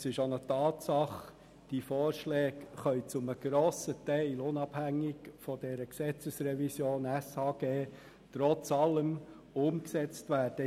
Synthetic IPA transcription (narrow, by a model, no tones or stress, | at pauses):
sɪʃonotɑːtsɑχ | d̥ifɔːɾʃlɛːkχœʏt͡sʊməɡ̥ɾoːsətɛɪlʊnɑb̥hæŋːɪkfɔd̥ɛɾəksɛt͡səsɾɛvisjoːnæshɑːɡ̥eː | tɾɔt͡sɑlːəm | ʊmksɛt͡stʋæːd̥ə